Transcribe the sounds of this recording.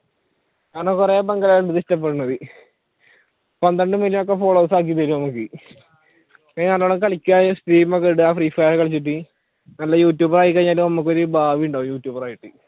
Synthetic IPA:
ɲaːnokːureːbɐŋɡɐlɐjaɭɖðistɐp̬ːeɽunːɐðɨ | pɐnd̪ɐɳɖɨmelːmok̬ːefoːɭoːsaːk̬ːit̪̬ːɐɾunɐmːukːɨ | aːnɐːlːoɽɐkɐɭikʲːuaːsʈiːmmokːeɽuaːfriːfɐjɐrkɐɭit͡ɕːiʈ̬ːi | nɐlːɐjuːt̬ʲjuːbɐraːjik̬ːɐɲːaːlumnɐmːukːo̞ɾubʱaːʋijuɳɖaːʋujuːtʲːjuːbɐraːjiʈːɨ

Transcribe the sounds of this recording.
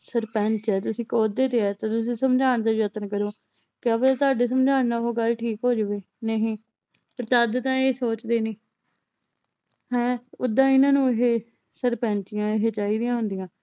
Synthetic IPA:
səɾpɛ̃ːnt͡ʃɛːt̪ʊsĩːkoːd̪eːt̪eːɛːt̪aːt̪ʊs̬ĩːsəmd͡ʒʱaːɳd̪eːɾət̪ənkəɾoː | kɪaːbət̪ːt̪ʊaːɖeːs̬əmd͡ʒaːnnaːɦoːɡəlʈʰiːkɦoːd͡ʒəʋeː | neɦĩː | pəɾt̪əd̪t̪ãːeːsoːt͡ʃd̪eːniː | hɛ̃ːʊd̪ːãːɪnãːnũːeɦeː | səɾpɛ̃ːnt͡ʃɪjãːeɦeːt͡ʃaːiːd̪ɪjãːɦʊnd̪ɪjãː

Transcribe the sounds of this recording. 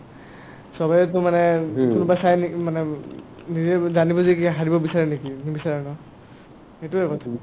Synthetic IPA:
sɔbajɛtʊmanɛkunubasajnimanɛ | nizɛzanibɔzikaɦadibɔbisaɹɛnekinibisaɹɛnɔ | etuɛkɔtʰa

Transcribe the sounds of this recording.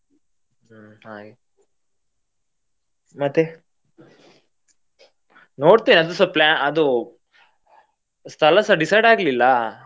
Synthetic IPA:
haːɡe | mɐt̪ːe | noːɽt̪iːniɐd̪usɐplaːnɐd̪u | st̪ʰɐlɐsɐɖisɐjɖaːɡlilːɐ

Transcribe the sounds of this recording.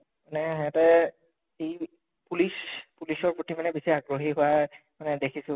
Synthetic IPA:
manɛɦɛatɛ | e | pulispulisɔɹpotʰimanɛbisiaɡɹoɦiɦʊwamanɛdekʰisʊ̃

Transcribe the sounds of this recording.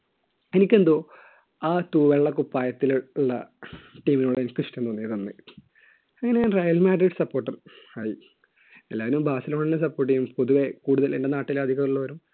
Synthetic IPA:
e̞nikʲːe̞nd̪oː | aːt̪uːʋeɭːɐkupːaːjɐt̪ːilɭːɐʈiːminuːɽeenikʲːɨɕi̥ʈːend̪onːijɐðonːɨ̰ | ɐŋːɐnejaːnrɐjɐlmaːɖɾiʈsɐpːo̞ːʈːɐraːji | elːaːnumbʱaːsɐlɐɳinːɐs̬ɐpːoːʈːijumpoðuʋe̞kuːɽuðɐlḛnɖenaːʈːilaːd̪ʱiɣɐðuɭːɐʋɐɾum

